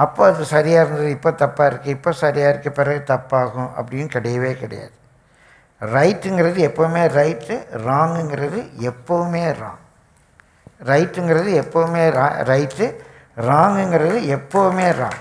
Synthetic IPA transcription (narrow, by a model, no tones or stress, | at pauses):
ɐpːoːɐðɯsɐɾɪjaːɪɾɯnd̪ɐðɯɪpːoːt̪ɐpːaːɪɾɯkːɯɪpːoːsɐɾɪjaːɪɾɯkːɯpɪɾɐɣɯt̪ɐpːaːɣʊ̃ʔɐ̰pːɐɽɪnɯkɪɽɐjɐʋeːkɪɽɐ̰ja̰ːðɯ | ɾɐɪʈːɯŋɡɪɾɐðɯɛpːoʋɯmeːɾɐɪʈːɯɾaːŋɡɯŋɡɪɾɐðɯɛpːoʋɯmeːɾã̰ːŋ | ɾɐɪʈːɯŋɡɪɾɐðɯɛpːoʋɯmeːɾa̰ːɾɐɪʈːɯ | ɾaːŋɡɯŋɡɪɾɐðɯɛpːoʋɯmeːɾã̰ːŋ